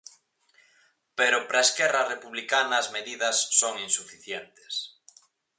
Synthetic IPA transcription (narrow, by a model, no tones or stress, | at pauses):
peɾopɾaeskɛrɐrepuβlikanaːzmeðiðɐsːoŋinsufiθjent̪e̥s